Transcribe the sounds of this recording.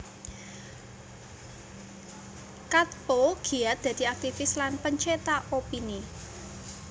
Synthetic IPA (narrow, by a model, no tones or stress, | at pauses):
kat̪̚poɡ̥i̤at̪̚d̪̥ä̤d̪̥i̤ak̚t̪ifɪslanpəɲt͡ʃet̪aʔopini